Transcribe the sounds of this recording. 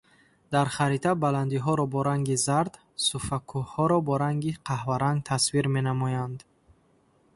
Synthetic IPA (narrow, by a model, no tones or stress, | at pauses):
d̪aɾχaɾit̪ʰabaland̪iɦɔɾɔbɔɾaŋɡizaɾd̪ | sufakʰuhɔɾɔbɔɾaŋɡiqʰahvaɾaŋɡ̚t̪ʰasviɾme̞namɔjand̪